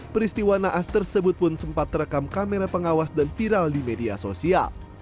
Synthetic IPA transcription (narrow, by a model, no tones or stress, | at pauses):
pəɾist̪iwanaʔast̪ərsəbʊt̪̚pʊnsəmpat̪ɾəkamkameɾapəŋawasdanfiɾaldimedia̰sosia̰l